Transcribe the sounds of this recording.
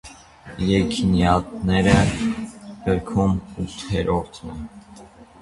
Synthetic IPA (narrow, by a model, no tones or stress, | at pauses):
jɛkʰinjɑt̪nɛɾə | ɡəɾkʰumut̪hɛɾʔɔɾt̪ʰnɛ